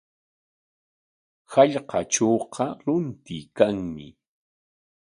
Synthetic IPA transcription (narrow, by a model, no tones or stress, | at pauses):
haʎqɑʈ͡ʂoːqʰɑɾʊnt̪ɪkaŋmɪ